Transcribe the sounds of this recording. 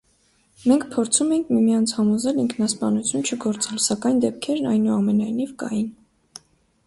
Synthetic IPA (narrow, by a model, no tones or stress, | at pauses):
mɛŋkʰpʰɔɾt͡sʰumɛjiŋkʰmimijɑnt͡sʰhɑmɔzɛliŋkʰnɑspɑnut͡sʰjunt͡ʃʰəɡɔɾt͡sɛlsɑkɑjnd̪ɛp̚kʰɛɾnɑjnuɑmɛnɑjnivkɑ̰jin